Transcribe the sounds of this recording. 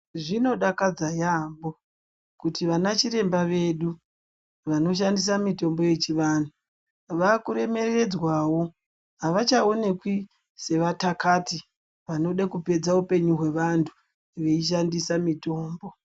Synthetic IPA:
ʐino̞ɗakad͡zajambo̞ | kutiʋanat͡ʃiɾe̞mbaʋe̞ɗu | ʋano̞ʃ̬andis̬amito̞mbo̞je̞t͡ʃiʋaːn̤u | ʋakuɾe̞me̞re̞d͡zwawo̞ | ɦaʋat͡ʃao̞ne̞kwi | se̞ʋatakati | ʋano̞ɗakupe̞d͡zaupe̞ɲuɦwe̞ʋantʰu̥ | ʋeiʃ̬andisamito̞ːmbo̞

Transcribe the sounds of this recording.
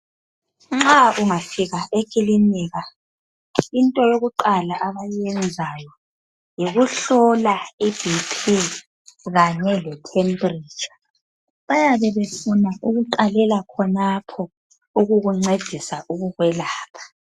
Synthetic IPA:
ŋ͡ǁaʔuŋafiɣaʔekʰʼiliniːɣa | intʼɔjoɣuǃalaʔaβajɛnd͡zʱajɔ | jiɣuɬɔlaib̥ʱipʰi | ɣaɲɛlɛtʰembri̥ːt͡ʃḁ | βajaβɛβefunaʔuɣuǃalɛlakʰɔnapʰɔ | uɣuɣuŋ͡ǀed̥ʱisaʔuɣuɣwɛlaːpʰḁ

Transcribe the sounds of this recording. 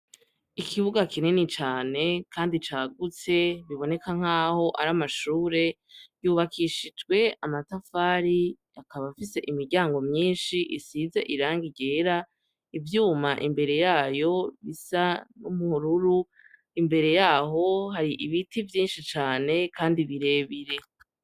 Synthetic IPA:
ikʰiβuɡakʰinenit͡ʃaːne̞kʰaːndit͡ʃaːɡut͡se̞βiβo̞ne̞kaŋ̥haːho̞ʔaɾamaʃuːɾe̞ | juːβakʰiʃid͡ʒɡwe̞amatafaːɾi | akaβafise̞ʔimiɾɟaːŋɡo̞mɲiːnʃiʔisizeʔiɾaːŋɡiɟeːɾa | ivjuːmaʔimbe̞ɾe̞jaːjo̞βisanumuhuɾuɾu | imbe̞ɾe̞jaːɦo̞ɦaɾiʔiβitivjiːnʃit͡ʃaːne̞kʰaːndiβiɾe̞ːβiɾe̞

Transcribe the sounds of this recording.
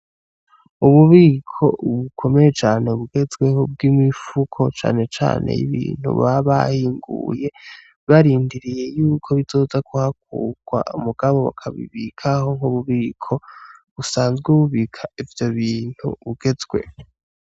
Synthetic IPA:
uβuβiːkʰo̞βukʰo̞me̞jet͡ʃaːneβuɡe̞zɡweɦob̚ɡimifukʰo̞t͡ʃa̰ːne̞t͡ʃa̰ːnḛjḭβḭːn̥hṵβaβa̰hiːŋɡṵje̞ | βaɾiːndiɾije̞juːkʰo̞βizo̞ːzakʰuhak̚ṵɡ̥wa̰umuɡ̥aβo̞βa̰kʰaβḭβikʰaɦo̞ŋ̥huβuβiːkʰo̞βusaːnzɡuuβiːkʰaivjo̞βiːn̥hṵβuɡ̥e̞zɡwe̞̰

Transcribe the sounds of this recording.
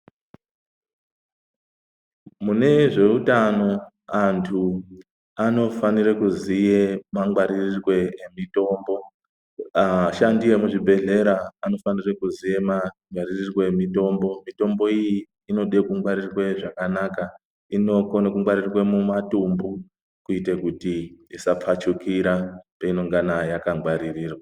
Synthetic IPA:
mune̞ʐe̞utano̞ | antʰu | ano̞fanirekuzije̞maŋɡwaɾirirwe̞emito̞ːmbo̞ | aʃandije̞muʐibʱe̞ɮe̞ɾaːno̞fanirekuzije̞maŋɡwaririrweemito̞mbo̞mito̞mbo̞ijiː | no̞ɗe̞kuŋɡwaɾirwe̞ʐakanaka | ino̞konakuŋɡwaɾirrwemumatumbu | kuite̞kutiisap͡fat͡ʃukiɾapeino̞ŋɡanajakaŋɡwaɾiriːrwa

